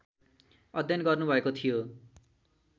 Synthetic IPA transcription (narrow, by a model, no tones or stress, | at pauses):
ʌd̪ʱjʌnɡʌrnubʱʌekot̪ʰijo